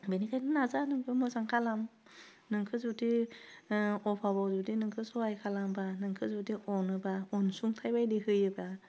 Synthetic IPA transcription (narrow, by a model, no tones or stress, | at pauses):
benikʰajnɯnazanɯŋkʰɯmɯzaŋkʰalam | nɯŋkʰɯzudi | ɔpʰabawzudinɯŋkʰɯsɔajkʰalambanɯŋkʰɯzudiʔɔnɯbaɔnsuŋtʰajbajdiɦɯjɯba